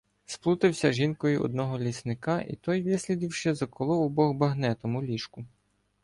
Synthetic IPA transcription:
splˠut̪ɪwsʲɐʒinkɔjʊɔ̰d̪̚nɔɦɔlʲisnɪkɑʔḭt̪ɔjʋʲisʲlʲid̪ʲiwʃt͡ʃɛzɐkɔlˠɔʊbɔɣbɐɦnɛt̪ɔmʊlʲiʃkʊ

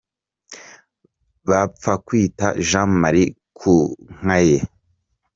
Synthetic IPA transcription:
βap͡fakwiːta̰ʒãmaɾi | kʰuŋ̥aje

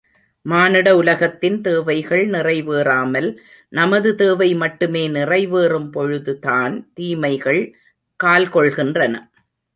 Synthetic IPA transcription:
maːnɪɽɐʊlɐɣɐt̪ːɪnt̪eːʋɐɪɣɐɭnɪrɐɪʋeːraːmɐl | nɐmɐðɯt̪eːʋɐɪmɐʈːɯmeːnɪrɐɪʋeːrɯmpɔɻɯðɯtaːnt̪iːmɐɪɣɐɭ | kaːlkɔɭɣɪndrɐnɐ

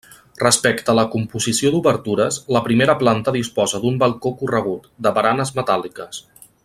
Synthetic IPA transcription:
rəspɛkt̪əːləkumpuzisiod̪uβəɾt̪uɾəzləpɾimeɾəplant̪əðispɔzəd̪umbəlˠkokurəɣ̞ut̪d̪əβəɾanəzmət̪alikəs

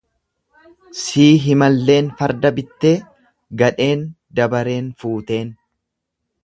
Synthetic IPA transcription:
siːɦɪmɐlːe̞ːnfɐɾd̪ɐbɪt̪ːe̞ː | ɡɐᶑe̞ːn | d̪ɐbɐɾe̞ːnfuːt̪e̞ːn

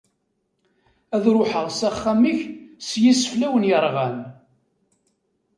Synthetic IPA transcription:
æðɾʊħəʁsæχːæmiçsjisəflæwənjəɾˤʁæn

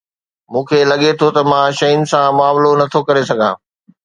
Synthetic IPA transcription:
mũːkʰeːlɐɠet̪ʰot̪ɐmãːʃɐjʊnɪ̆sãmʊaːmlonɐt̪ʰokɐɾesɐɡʱãː

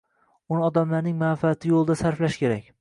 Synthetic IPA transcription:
ʊnɪɒd̪amlaɾnɪŋmanfaːt̪ʰɪjolˠd̪asaɾflaʃkʲe̞ɾakʲ

